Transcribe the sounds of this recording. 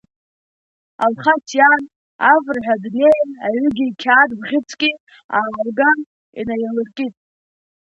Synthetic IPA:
alχatʰjan | avrħʷᶣadnejnaɥʷʏɡʲiːkʲʰaːdbʁʲɪt͡sʰʼkʲʼi | aːlɡan | ḭnajalɨrkʲʼitʼ

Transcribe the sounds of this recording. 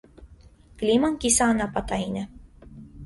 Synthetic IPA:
klʲimoŋkʲisʲaːnɑpɑt̪ɑinʲɘ̆

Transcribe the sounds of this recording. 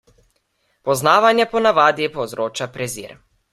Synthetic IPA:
pɔznaːʋanjɛpɔnaʋaːd̪ipowzɾoːt͡ʃapɾɛzḭːɾ

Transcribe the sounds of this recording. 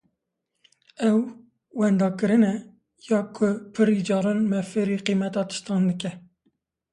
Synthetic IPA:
ɛw | wɛnd̪ɑːkɨɾɨnɛ | jɑːkʰʊpʰɨɾid͡ʒɑːɾɨnmɛfɨɾiqiːmɛt̪ɑːt̪ʰɨ̥ʃt̪ɑːnd̪ɨkɛ

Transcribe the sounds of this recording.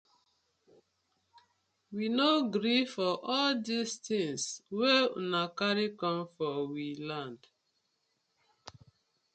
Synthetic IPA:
winoɡɾifɔʔɔldistĩŋswḛnakaɾikɔ̃mfɔwilãnd̥

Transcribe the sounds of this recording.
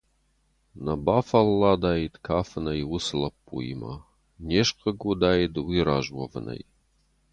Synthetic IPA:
nɐbaːfɐlːad̪aːjid̪kʰaːfɨnɐjwʊslɐpːṵḭma̰ | nʲeʃqəɡud̪aːjid̪wiɾaʒwɐ̰vnʔɐ̰j

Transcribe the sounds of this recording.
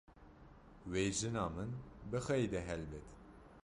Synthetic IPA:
wejʒɨnɑːmɨnbɨxɛjd̪ɛɦɛlbɛt̪

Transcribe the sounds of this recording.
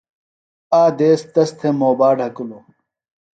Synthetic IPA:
aːd̪eːst̪ɐst̪ʰemoːbaːɖɦɐkuloː

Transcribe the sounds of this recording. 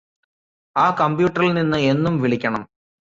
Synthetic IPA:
aːkɐmbjuːʈːɐrilninːɨe̞nːumʋiɭikʲːɐɳɐm

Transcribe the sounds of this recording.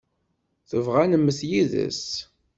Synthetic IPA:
θəvʁænəmːəθjiðə̰s

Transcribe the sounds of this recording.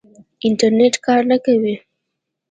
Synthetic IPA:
ɪnʈaɾneʈkɑɾnakawi

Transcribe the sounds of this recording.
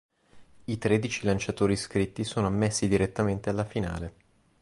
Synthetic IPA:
it̪ɾed̪it͡ʃilant͡ʃat̪oːɾiskɾit̪ːisoːnoamːesːid̪iɾet̪ːament̪ealːafina̰ːle

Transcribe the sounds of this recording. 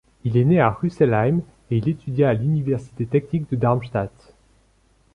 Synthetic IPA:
ileneaʁysɛlajm | eilet̪yd̪jaːlynivɛʁsi̥t̪et̪ɛk̚nik̚d̪əd̪aʁmʃt̪at̪

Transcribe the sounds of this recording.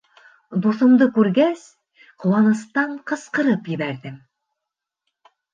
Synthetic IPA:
d̪usŏmd̪ɤkʉɾɡæs | qŏwɑnɤ̆st̪ɑɴqɤ̆sqɤ̆ɾɤpjɘ̆βæɾd̪ɘm

